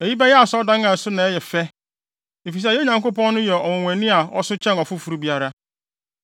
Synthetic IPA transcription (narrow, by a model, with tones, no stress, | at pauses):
e˨ji˦bɛ˦jɛ˦a˨sɔ˦dã˦ŋã˨sʊ˦nã˨ɛ˦jɛ˨fɛ˦ | e˨fi˨s̬ɛ˨jɛ˦ɲã˨ŋko˦pɔ̃˦nː˦ʊ̃˦jɛ˨ɔ˨wɔ̃˨wʷɛ̃˨nĩ˦a˨ɔ̰˦sʊ˦t͡ɕʰɛ̃˦nɔ˨fu˦fu˨ɾu˦bi˦a˦ɾa˦